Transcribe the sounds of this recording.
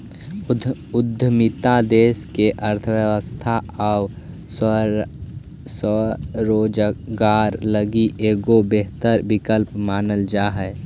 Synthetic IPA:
ʊd̪ʱːəmɪt̪ad̪eːskeʔəɾt̪ʰəʋjəʋəst̪ʰaaʊ | səɾoːd͡ʒɡaːɾləɡiʔeːɡobeɦt̪əɾbɪkəlpmaːnəld͡ʒaːɦɛ

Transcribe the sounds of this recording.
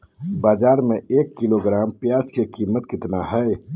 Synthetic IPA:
baːd͡ʒaːɾmẽeːkːɪloɡɾaːmpjaːd͡ʒkekiːmət̪kɪt̪naɦɛe

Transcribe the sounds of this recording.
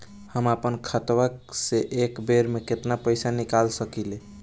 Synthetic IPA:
həmapənkʰət̪ʋəkseʔekbeɾmeket̪napəjsanikalsəkile

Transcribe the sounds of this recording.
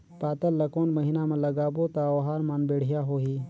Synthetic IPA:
paːt̪ɐlːɐkoːnmɐɦinaːmɐ̃lɐɡaːbot̪aoːɦaːɾmanbeːɽ̤ijaːɦoːɦiː

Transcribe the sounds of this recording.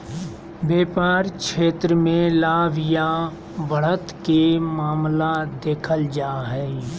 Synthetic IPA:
beːpaːɾkʃeːt̪ɾəmẽlaːʋja | bəɽ̤ət̪kemaːmlad̪eːkʰəld͡ʒaːɦɛ

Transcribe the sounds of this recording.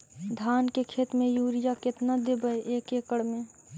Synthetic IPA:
d̪ʱaːnkekʰeːt̪mẽjuːɾijaket̪nad̪ebəeʔeːkeːkəɽmẽ

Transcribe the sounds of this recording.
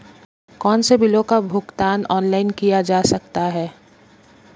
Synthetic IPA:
kɔːnsebɪlõkabʱʊɡt̪aːnɔːnlaːɪnkijad͡ʒaːsɐk̚t̪aɦɛː

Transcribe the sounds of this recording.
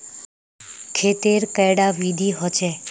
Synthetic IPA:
kʰet̪eɾkɛɽaʋid̪ʱiɦɔt͡ʃʰe

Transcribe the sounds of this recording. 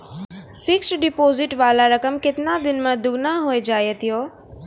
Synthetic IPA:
fɪksʈɖɪpoːzɪʈʋaːlaɾɐkəmkɪt̪ɪnad̪ɪnmãd̪ʊɡnaɦued͡ʒaːjət̪ijoː

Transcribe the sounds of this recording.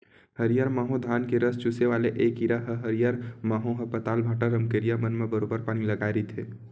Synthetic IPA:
hɐɾijaːɾmaːɦõd̪ʱaːnkeɾəst͡ʃuseʋaːleʔeːkiɾaɦəɦɐɾijaːɾmaːɦõɦɐpɐt̪aːlbʱaːʈaɾɐmkeːɾijamɐnmẽbɐɾoːbəɾpaːñilɐɡaːeɾet̪ʰeː

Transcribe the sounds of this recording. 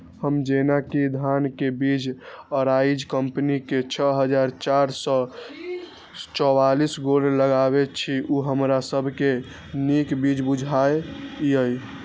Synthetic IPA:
həmd͡ʒenakid̪ʱankebid͡ʒəɾaid͡ʒkəmpniket͡ʃʰəɦəd͡ʒaɾt͡ʃaɾsɔ | t͡ʃɔwalisɡoɽləɡaβet͡ʃʰiʔuɦəmɾasəbʱke | nikbid͡ʒbud͡ʒʱaejəj

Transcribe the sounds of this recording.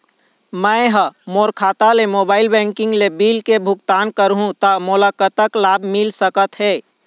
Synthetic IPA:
məɦəmoːɾkʰaːt̪alemoːbaːɪilbɛ̃ŋkɪ̃ŋɡlebilkebʱʊkt̪aːnkəɾɦũt̪əmolakət̪əklaːbʱmɪlsəkət̪ɦɛː

